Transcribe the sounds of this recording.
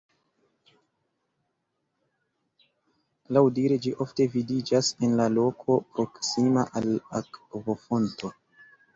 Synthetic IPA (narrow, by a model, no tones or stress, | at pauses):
lawdiɾed͡ʒiʔo̞fte̞vidid͡ʒase̞nlalo̞kʰo̞pɾo̞ksimaʔalakvo̞fo̞nto̞